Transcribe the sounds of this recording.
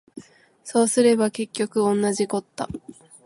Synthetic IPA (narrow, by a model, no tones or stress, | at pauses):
so̞ːsɨɾe̞bake̞kʲːo̞kɯ̟õ̞nːaʑiko̞t̪ːa̰